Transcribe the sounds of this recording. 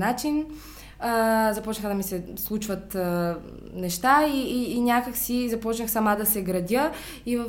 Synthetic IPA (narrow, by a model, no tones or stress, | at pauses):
nat͡ʃin | əzɐpɔt͡ʃnəxəd̪ɐmisɛslˠut͡ʃvət̪ | nɛʃt̪aiːnʲakəksizɐpɔt͡ʃnəxsɐmad̪ɐsɛɡɾɐd̪ʲə | ivə